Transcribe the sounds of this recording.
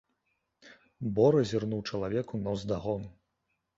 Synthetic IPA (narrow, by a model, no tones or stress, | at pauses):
bɔɾɐzʲirnuwt͡ʂɐlˠavʲɛkunɐwzd̪aɣɔnu